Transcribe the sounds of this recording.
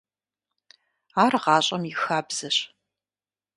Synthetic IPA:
aːrʁɑːɕʼɐmjɪxaːbz̥ɐɕ

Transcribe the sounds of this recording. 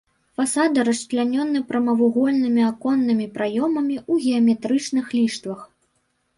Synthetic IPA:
fasad̪ɨɾɐʂt͡ʂlʲanʲɔnːɨpɾɐmɐvuɣɔlʲnɨmʲiakɔnːɨmʲipɾajɔmɐmʲiuɣʲɛɐmʲɛt̪ɾɨt͡ʂnɨxlʲiʂt̪vɐx

